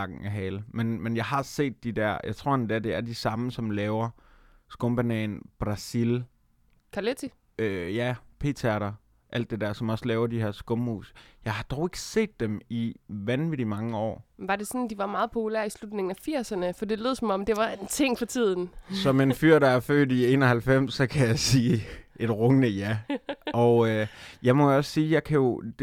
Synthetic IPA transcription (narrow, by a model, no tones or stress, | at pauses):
ɑɡ̥n̩æɦɛːlmenmenjɑ̈ɪɦɑ̈se̝̰ːd̥̚ːid̥æɐ̰jɑ̈ɪt͡sʰʁo̝ɐ̰end̥æɐd̥e̝æɐd̥isɑ̈məsɒ̽mlɛːʊɐ | sɡ̥ɔ̽mb̥ænɛ̰ːnb̥ʁɑ̈sil | kʰælet͡sʰi | øjæpʰe̝̰ːt͡sʰæɐɾɐ | ʔæl̰d̥ːe̝d̥æɐ̰sɒ̽mɒ̽slɛːʊɐd̥iheɐsɡ̥ɔ̽mhṵːsjɑ̈ɪhɑ̈d̥ɒʊe̝ɡ̥əse̝̰ːd̥ːemiʋænʋidimɑ̈ŋəɒ̰ːʋɑ̈d̥e̝sɔ̽nd̥iʋɑ̈mɑ̈ːð̩ˠpʰo̝pʰulæɐ̰islud̥ne̝ŋn̩æfiɐ̰sɐnəfɒd̥ile̝ðˠsɒ̽mɒ̽md̥e̝ʋɑ̈ent͡sʰe̝ŋ̰fɒ̽t͡sʰið̞̰ˠn̩sɒ̽menfyɐ̰ɾ̥ɑæɐfø̰ːd̥ie̝̰ːnɒhælfem̰sːɒ̽kʰæjɑ̈ɪsiːe̝d̥ʁɔŋənəjæɒ̽ʊjɑ̈ɪmɒ̽jɒ̽ssiːjɑ̈ɪkʰæjo̝d̥